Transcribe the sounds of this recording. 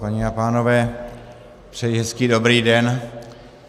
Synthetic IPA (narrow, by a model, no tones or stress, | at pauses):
paɲɛapaːnovɛː | pr̥ɛjiɦɛskiːdobɾiːdɛn